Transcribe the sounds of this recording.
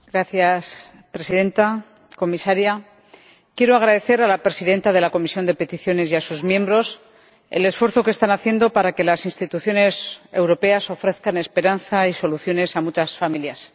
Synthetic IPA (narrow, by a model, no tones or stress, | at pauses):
ɡɾaθjas | pɾe̞siðe̞nt̪a | ko̞misaɾja | kje̞ɾo̞aɣ̞ɾaðe̞θe̞ɾalapɾe̞siðe̞nt̪aðe̞lako̞misjo̞nd̪e̞pe̞t̪iθjo̞ne̞siasuzmjẽ̞mbɾo̞s | e̞̰le̞sfwe̞ɾθo̞ke̞st̪anaθje̞nd̪o̞paɾake̞lasinst̪it̪uθjo̞ne̞se̞̰wɾo̞pe̞aso̞fɾe̞θkane̞spe̞ɾanθaiso̞luθjo̞ne̞samut͡ʃasfamiljas